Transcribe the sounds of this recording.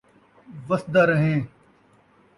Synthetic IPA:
ʋəsd̪aːɾəɦẽː

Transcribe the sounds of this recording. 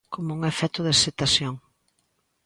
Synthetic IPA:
komouŋefɛt̪ʊðeset̪asjoŋ

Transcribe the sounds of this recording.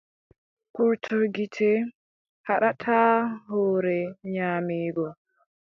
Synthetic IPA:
kuɾtʰuɾɡitʰɛ | haɗatʰaːhɔːɾɛɲaːmiːɡɔ

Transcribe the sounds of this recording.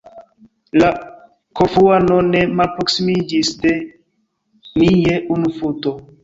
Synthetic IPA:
la | kofuanone̞malpɾoksimid͡ʒisde̞ | nijeʔunufuto

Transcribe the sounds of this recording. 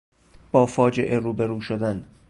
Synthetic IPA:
b̥ɒːfɒːd͡ʒe̞ʔe̞ɾuːbe̞ɾuːʃod̪æn

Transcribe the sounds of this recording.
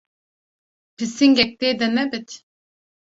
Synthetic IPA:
pʰisiŋɡʲɛk̚t̪ed̪ɛnɛbit̪ʰ

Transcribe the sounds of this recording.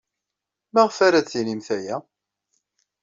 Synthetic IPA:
mæʁfaɾæt͡sːinimθæjæ

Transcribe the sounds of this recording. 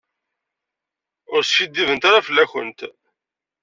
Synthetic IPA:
ʊɾsʃid̪ːivənt̪aɾafəlːæçə̰nt̪

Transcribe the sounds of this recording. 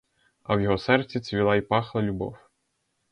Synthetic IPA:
ɐ̰wjɔɦɔsɛrt̪t͡sʲit͡sʲʋʲilˠɑipɑxlˠɐlʲʊbɔ̰w

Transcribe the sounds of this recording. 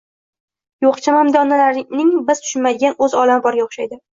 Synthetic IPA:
joqt͡ʃʰamamd̪ɒnːalaɾnɪŋbɪzt̪ʰʊ̥ʃɪnmad̪ɪɡʲanɵzɒlamɪbɒɾɡʲaoχʃajd̪ɪ

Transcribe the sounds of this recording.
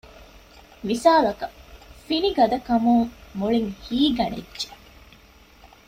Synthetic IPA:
misaːlɐkɐfiniɡɐd̪ɐkɐmuŋmoɭiŋhiːɡɐnḛdːʒe

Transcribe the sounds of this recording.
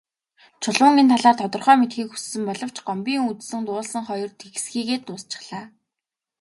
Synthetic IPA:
t͡ɕʰʊɮʊə̆ŋent̪ʰaɮaːrt̪ʰɔt̪ɞ̆rχœːmet̪xiːkxu̥ssɘ̆mpɔɮɞ̆w̥t͡ɕɢɔmpʲiːŋut̪sɘ̆nt̪ʊːɮsə̆ŋχɔjɞ̆rt̪ʰexsxiːɣeːt̪nʊːst͡ɕɪ̥̆χɮaː

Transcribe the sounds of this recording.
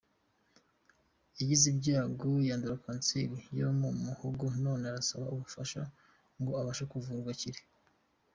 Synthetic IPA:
iɟizibɟaːɡojaːnduɾakaːnt͡siɾijomumuhuɡono̞ːneaɾasaβauβufaʃa | ŋɡoaβaʃakuvuːɾɡwaciɾe̥

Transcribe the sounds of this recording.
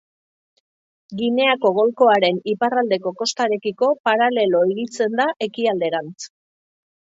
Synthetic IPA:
ɡine̞ako̞ɣ̞o̞lko̞aɾe̞niparald̪e̞ko̞ko̞st̪aɾe̞kiko̞paɾale̞lo̞eɣit͡se̞nd̪aʔe̞kiald̪e̞ɾant͡s

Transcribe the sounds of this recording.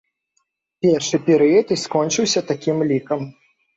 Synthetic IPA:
pʲɛrʂɨpʲɛɾɨjɐt̪iskɔnt͡ʂɨwsʲɐt̪akʲimlʲikɐm

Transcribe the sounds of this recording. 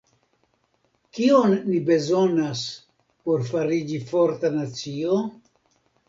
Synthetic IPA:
kio̞nːibe̞zo̞nas | po̞ɾfaɾid͡ʒifo̞ɾtanat͡sio

